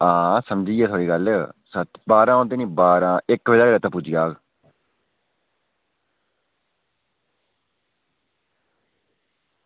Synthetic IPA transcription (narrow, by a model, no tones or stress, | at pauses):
ãːsəmd͡ʒiːeːt̪ʰoaːɽiːɡəlsət̪ʰbaːɾãːõnd̪eːnĩːbaːɾãːɪkʋeːdaːɡəɾeːt̪ãːpʊd͡ʒijaːɡ